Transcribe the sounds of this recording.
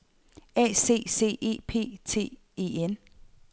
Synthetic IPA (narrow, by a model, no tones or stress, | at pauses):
ɛ̰ːse̝̰ːse̝̰ːʔe̝̰ːpʰe̝̰ːt͡sʰe̝̰ː | e̝̰en